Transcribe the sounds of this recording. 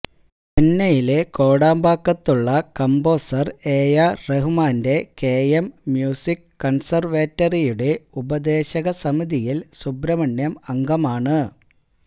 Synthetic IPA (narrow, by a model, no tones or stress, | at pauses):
penːɐjile̞ko̞ːɽaːmbaːkːɐt̪ːuɭːɐkɐmbo̞ːsɐreːjareɦumaːnde̞keːjemːjuːsikːɐɳsɐrʋeːtːɐrijuɽe̞ubɐd̪e̞ːɕɐɣɐsɐmiðijilsubɾɐmɐɳjɐmɐŋɡɐmaːɳɨ